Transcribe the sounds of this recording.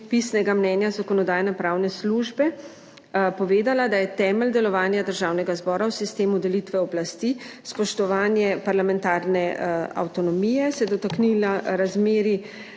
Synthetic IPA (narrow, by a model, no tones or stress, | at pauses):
pisnɛɡamnɛːnjazakɔnɔd̪aːjanapɾawnɛsluʒbɛ | pɔʋeːd̪alad̪ajɛt̪ɛːməld̪ɛlɔʋaːnjad̪əɾʒaːwnɛɡazbɔːɾawsist̪eːmud̪ɛlit̪ʋɛɔblast̪i | spɔʃt̪ɔʋaːnjɛpaɾlamɛnt̪aːɾnɛa̰wt̪ɔnɔmijɛsɛd̪ɔt̪aknilaɾazmeːɾi